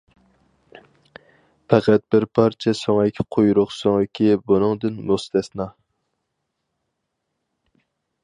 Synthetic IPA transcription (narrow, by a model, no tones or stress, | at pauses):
pʰɛqæt̪̚bɪɾpʰɑɾt͡ʃʰɛsoŋɪkʲʰɪ̥qʰojɾʊqsoŋɪkʲʰibonɨŋd̪ɨnmust̪ʰɛsnɑ